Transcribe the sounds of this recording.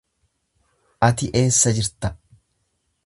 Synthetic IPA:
ʔɐt̪ɪʔe̞ːsːɐd͡ʒɪɾt̪ɐ

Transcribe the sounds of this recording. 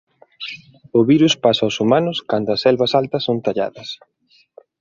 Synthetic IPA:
ʊβiɾuspasawsumanʊskand̪ʊɐsɛlβɐsalt̪ɐsːont̪aʎa̰ðɐs

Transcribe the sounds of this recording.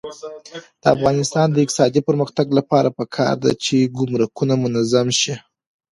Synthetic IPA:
d̪̥əafɣɑnɪst̪ɑnd̪əɪq̪̚ɪsɑd̪ipəɾməxt̪aɡlapɑɾapəkʰɑ̰ɾd̪a̰t͡ʃeɡʊmɾakunamʊnazamʃi

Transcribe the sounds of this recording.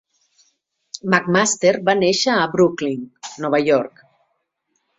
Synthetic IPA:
makmast̪eɾbaneʃaːbɾukliŋnɔβ̞aʎɔɾk

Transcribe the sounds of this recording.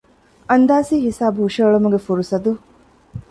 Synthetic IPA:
ɐnd̪aːsiːɦisaːbɦuːʃeːɭumuɡefuɾusɐd̪u

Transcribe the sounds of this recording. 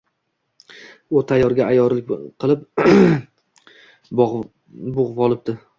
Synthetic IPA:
ʊt̪ʰajɒɾɡʲaajɒɾlɪk̚ʲqʰɨlˠɪp̚ | bʊʁvɒlˠɪp̚d̪̥ɪ

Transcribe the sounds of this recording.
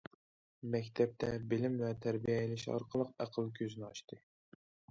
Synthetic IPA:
mɛkʲt̪ʰɛp̚t̪ʰɛbɪlɪmvɛt̪ʰæɾbijɛilɪʃɑ̰ɾqʰəlˠəqæqʰəlˠkʲʰøzɪnɪɑʃt̪ɨ

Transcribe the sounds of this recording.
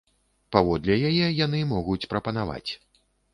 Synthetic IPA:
pavɔd̪lʲɛjajɛjan̪ɨmɔɣut͡sʲpɾɐpɐn̪ava̰t͡sʲ

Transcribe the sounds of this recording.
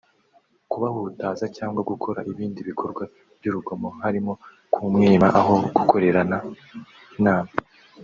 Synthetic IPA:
kuβahutaːzacaːŋɡwaɡukʰo̞ɾa̰ʔiβiːndiβikʰo̞ɾɡwa | b̥juɾuɡomo̞haɾimo̞ | kʰumŋiːmaʔaɦo̞ɡ̥ukʰo̞ɾe̞ɾana | naːma

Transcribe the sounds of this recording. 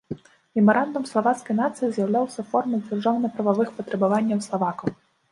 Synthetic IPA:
mʲɛmɐɾand̪umslˠavat̪skɐjnat̪sɨjizʲjɐwlʲawsʲɐfɔrmʲɛd͡zʲarʐawnɨpɾɐvavɨxpɐt̪ɾɐbavanʲːɐwslˠavakɐw

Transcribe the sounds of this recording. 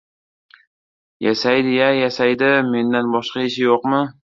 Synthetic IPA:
jasajd̪ɪjajasajd̪ɪme̞nd̪anbɒʃqɑɪʃ̬ɪjoqmɪ

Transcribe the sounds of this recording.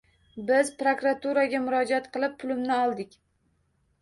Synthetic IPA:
bɪzpɾokɾat̪uɾaɡʲamʊɾɒd͡ʒat̪qʰɨlˠɪpʰːʊlɪmnɪɒlˠd̪ɪkʲ

